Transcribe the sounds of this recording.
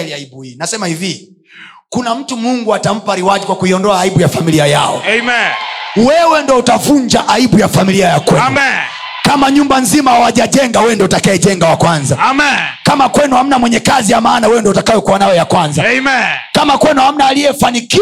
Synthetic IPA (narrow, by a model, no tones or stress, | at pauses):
ɛliaiɓuhiːnasɛmahivi | kunam̩tumuŋɡuatam̩paɾiwaʄikwakuiɔndɔaaiɓujafamiliaja̰ɔ̰mɛwɛwɛndɔutavuɲd͡ʒaʔaiɓujafamiliajakwɛɛ | kamaɲumbanzimahawaʄaʄɛŋɡawɛɛndɔtakajɛʄɛŋɡawakwanzamɛkamakwɛnɔham̩namwɛɲɛkazijamaːnawɛwɛndɔutakajɔkuanajɔjakwanzamɛkamakwɛnɔham̩naːlijɛfaniki